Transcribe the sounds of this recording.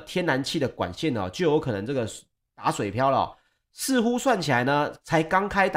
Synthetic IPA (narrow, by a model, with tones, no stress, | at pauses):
t̪ʰjɛ˦˥na˧˦nt͡ɕʰi˥˩d̪ə˩kwa̰˨˩nɕɛ˥˨nɔ̰˨˩t͡ɕjo˥˩ʊjo˧˥ʊkʰɤ˨nɤ˧˦ŋt͡sɤ˥˩ɡə˩ | t̪a˧˥˦swe˨ɪpʰjɑ˥ʊlə˨ɔ̰˨˩ | sɹ̩˥˨xu˦swa˥˩nt͡ɕʰi˨la˧˦ɪnə˧t͡sʰa˧˥ɪkɑ˥ŋkʰa˥ɪt̪